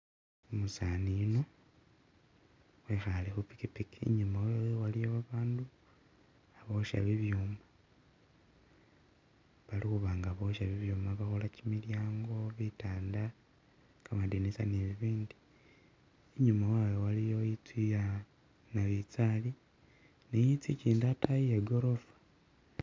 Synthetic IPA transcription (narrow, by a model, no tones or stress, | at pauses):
musanino̞ | xwexalexupi̥kipikiḭɲumawejewalijoβaβaːndu | aβo̞ʃa̰βiβjuːma | βalixuβaːŋɡaβo̞ʃaβiβjuːmaβaxolacimiljaːŋɡo̞βitaːnda | kamadinisaneβiβiːndi̥ | ɲumawajowalijo̞it͡sija | naβit͡sali | nejit͡siciːndatajijeɡo̞ɾofḁ